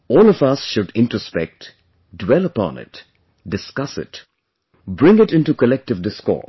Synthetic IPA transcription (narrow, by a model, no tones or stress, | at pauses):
ɔːlɔfʌsʃʊɖɪ̃ntɹospɛk̚t | dwɛləpɔ̰̃nɪ̰t | ɖɨskʌsɪ̰t | bɹɪ̃ŋɪʈɪ̃nʈukəlɛk̚ʈɨvdɪskɔ̰